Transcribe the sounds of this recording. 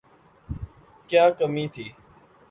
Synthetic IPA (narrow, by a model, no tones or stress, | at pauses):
kjaːkəmĩːt̪ʰiː